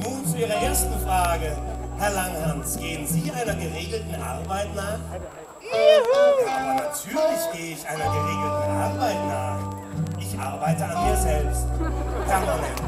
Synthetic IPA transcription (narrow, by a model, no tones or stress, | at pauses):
nuːnt͡suʔiːʁ̞ɐʔeːɐstn̩fʁ̥aːɡəhɛɐlaŋhansɡ̥eːənziːʔaɪnɐɡəʁeːɡl̩tn̩ʔaɐbaɪtnaːχ | anatʰyːɐlɪçɡ̥eːəɪçʔaɪnɐɡəʁeːɡl̩tn̩ʔa̰ɐbaɪtnaːχ | ʔɪçʔa̰ɐbaɪtəanmiːɐzɛlpstpʰɛɐnamɛn